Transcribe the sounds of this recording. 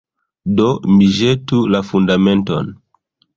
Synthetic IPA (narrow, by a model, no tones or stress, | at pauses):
domiʒetulafundamento̰n